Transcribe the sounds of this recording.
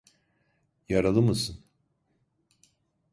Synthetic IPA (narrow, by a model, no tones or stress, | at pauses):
jaɾalˠɯmɯsɯn